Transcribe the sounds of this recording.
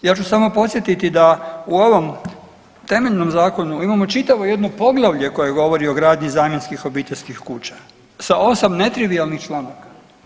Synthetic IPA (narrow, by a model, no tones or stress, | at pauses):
jaːt͡ʃusamo̞po̞t̪sjet̪it̪id̪auo̞ʋo̞m | t̪e̞me̞ʎno̞mzaːko̞nuimamo̞t͡ʃit̪aʋo̞je̞d̪nopo̞ɡlˠaʋʎe̞ko̞jeɡo̞ʋo̞ɾio̞ɡɾaːd̪ɲizaːmje̞nskixo̞biːt̪eʎʲskixkuːt͡ɕḁ | sao̞samne̞t̪ɾiʋialˠnixt͡ʃlˠaːnakḁ